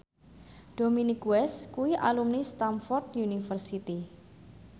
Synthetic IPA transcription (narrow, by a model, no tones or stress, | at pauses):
ɖ̪̥ominikwɛskuwiʔa̰lumnist̪amfɔrt̪junifərsit̪i